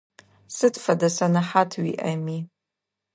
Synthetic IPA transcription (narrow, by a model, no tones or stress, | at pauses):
sɨdfadasanaħatʰɥḭʔami